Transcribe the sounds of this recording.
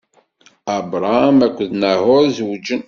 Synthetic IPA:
æbɾˤɑmækʷːðnahʊɾzwd͡ʒːən

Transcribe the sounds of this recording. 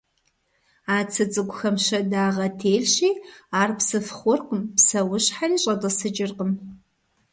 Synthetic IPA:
aːt͡sʰɨt͡sʼɨɡʷʊxɐmʃɐdaːʁɐtʰeːɮɕiːaːrpsɨfχʷɔrqʷʰʊmpsɐwʊɕħariːɕʼɐdɨsɨd͡ʒʼɪrqəm

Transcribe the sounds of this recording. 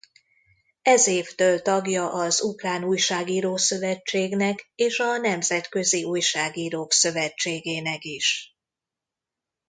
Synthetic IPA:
ɛzeːft̪øːlt̪ɒɡjɒʔɒzuklaːnuːjʃaːɡiːɾoːsø̞vɛt͡ʃːeːɡnɛkeːʃɒnɛmzɛt̪kø̞ziuːjʃaːɡiːɾoːksø̞vɛt͡ʃːeːɡeːnɛkiʃ

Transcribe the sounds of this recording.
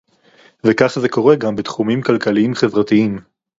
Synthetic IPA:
vekaχze̞ko̞ʁe̞ɡambet̪χumimkalkaliimχevʁat̪iim

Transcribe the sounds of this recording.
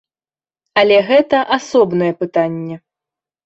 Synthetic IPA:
ɐlʲɛɣɛt̪ɐʔasɔbnɐjɛpɨt̪anʲːɛ

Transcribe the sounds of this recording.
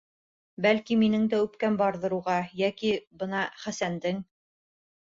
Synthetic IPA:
bælkiminɘŋd̪æʉpkæmbɑɾðɤ̆ɾuʁɑjækibɤnɑχæsænd̪ɘŋ

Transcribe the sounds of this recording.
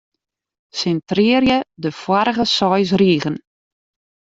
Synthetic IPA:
sɛntrɪːərjədəfwaɾəɣəsɔjs̬riːɣən

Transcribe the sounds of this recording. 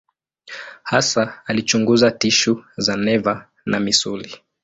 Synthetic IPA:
hasaalit͡ʃuŋɡuzatiʃuzanɛva | namisuli

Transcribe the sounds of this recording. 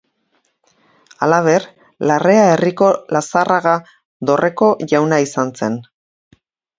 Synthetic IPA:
alaβ̞e̞r | lare̞ae̞riko̞lasarʔaɣa | ðo̞rʔe̞ko̞ʝawnaisanse̞n

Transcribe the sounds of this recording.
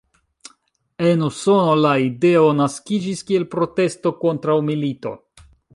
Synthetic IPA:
e̞nuso̞no̞laide̞o̞naskid͡ʒiskie̞lpɾo̞te̞sto̞ko̞ntɾawmilito̞̰

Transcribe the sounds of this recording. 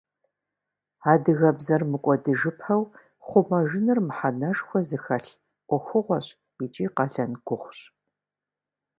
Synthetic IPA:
aːdɨɣɐbzɐrmɨkʷʼɔdɨʒɨpʰɐw | χʷʊmɐʒɪnɨrmħanɐʂʼxʷɔzɨxɐɬ | ʔʷɔxʷʊʁʷɔɕ | it͡ʃʼiːqɑɬɐnɡʷʊχʷɕʼ

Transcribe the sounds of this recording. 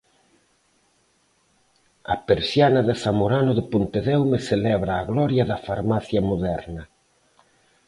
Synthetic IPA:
a̰peɾsjanaðɪsamoɾanʊðɪpont̪eðɛwmeselɛβɾaːɣlɔɾjaðɐfaɾmaθjamoðɛɾnɐ

